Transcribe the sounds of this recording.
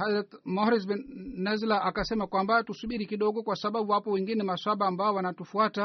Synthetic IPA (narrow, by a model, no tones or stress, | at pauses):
hazatmɔɾisɓɛnnɛzlaʔakasɛmakwambatusuɓiɾikiɗɔɡɔkwasaɓaɓuwapɔwɛŋɡinɛmaswaɓaːmbaɔwanatufuata